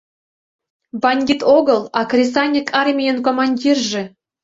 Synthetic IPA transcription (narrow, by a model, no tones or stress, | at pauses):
bɑnʲɡʲit̪oɡɤlˠɑkrʲis̬ɑnʲikʰɑrmʲijənkomɑnʲdʲirʒĕ